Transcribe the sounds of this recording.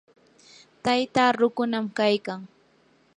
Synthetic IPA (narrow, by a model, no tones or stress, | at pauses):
t̪ajt̪aɾʊkʊnamkajkaŋ